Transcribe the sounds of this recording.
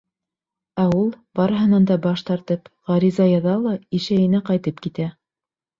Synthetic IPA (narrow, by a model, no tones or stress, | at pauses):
æulˠbɑɾɤ̆ɦɤ̆nɑnd̪ɑbɑʃt̪ɑɾt̪ɤpʁɑɾizɑjɑðɑlˠɑiʃæjɘ̆næqɑjt̪ɤpkit̪æ